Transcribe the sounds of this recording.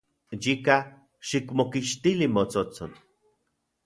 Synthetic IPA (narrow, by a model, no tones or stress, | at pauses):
jika | ʃikmokiʃt̪ilimot͡sot͡son